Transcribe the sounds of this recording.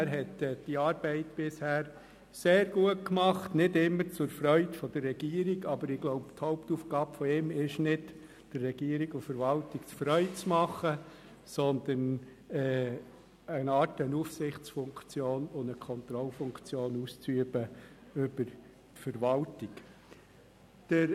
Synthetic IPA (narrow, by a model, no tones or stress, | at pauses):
æɾɦɛtːd̥iɑːɾbɛɪtb̥ɪshæːɾ | seːɾɡuət̚kmɑχtnɪdɪmːəɾt͡sʊɾfɾœʏtfɔd̥̪ərːɛɡ̥iːəɾiɡɑbəɾɪɡ̥lɔʊpthɔʊpt̪uːfɡ̥ɑːbfɔɪmɪʃnɪt | d̥ərːɛɡ̥iːəɾiɡʊfəɾʋɑltikt͡sfɾœʏt͡smɑχːə | sɔnd̪ən | ɛː | ənɑːtənufsɪχt͡sfʊŋkt͡sjoːnʊndəkʰɔnt̪ɾɔlfʊŋkt͡sjoːnust͡syəb̥əʏb̥əɾ | tfəɾʋɑltɪk | d̥əɾ